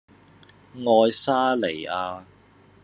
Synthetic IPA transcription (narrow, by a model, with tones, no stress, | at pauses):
ŋɔː˧jsaː˥le˨˩jaː˧